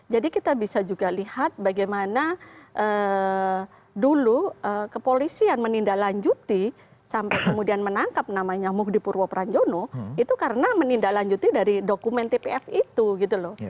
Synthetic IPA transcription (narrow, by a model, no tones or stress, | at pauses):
d͡ʒadikit̪abisad͡ʒuɡalihat̪̚baɡajmanaʔəː | duluʔəkəpolisianmənindalaɲd͡ʒut̪i | sampajkəmudianmənaŋkap̚namaɲamʊkdipurwopɾaɲd͡ʒonoit̪ukaɾənamənindalaɲd͡ʒut̪idaɾidokumɛnt̪epeɛfit̪uɡit̪ulɔh